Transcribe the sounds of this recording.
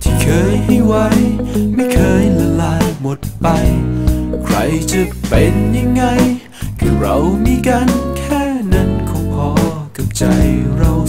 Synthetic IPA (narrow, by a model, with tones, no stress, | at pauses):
t̪ʰiː˥˩kʰɤː˧jha˥˩jwa˦˥jma˥˩jkʰɤː˧jla˧laː˧jmo˨˩t̪̚pa˧jjkʰɾa˧jt͡ɕa˧˩pe˧nja˧ŋːa˧j | kʰɯː˧˩ɾa˧˩wmiː˧˥kaː˧nkʰɛː˥˩na˧˥˩nkʰɔ˧˥ŋkʰɔː˧ka˧˩p̚t͡ɕa˧jɾa˧w